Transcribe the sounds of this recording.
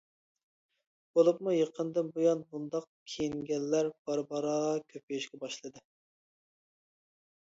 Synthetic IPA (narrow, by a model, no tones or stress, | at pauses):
b̥olˠupmujeqʰənd̪ɨnbujɑnbund̪ɑq̚ | kʲʰejiŋɡʲɛlːæɾb̥ɑɾbɑɾɑːʁɑkʲʰøp̚ejiʃɡʲɛbɑʃlˠɨd̪ɨ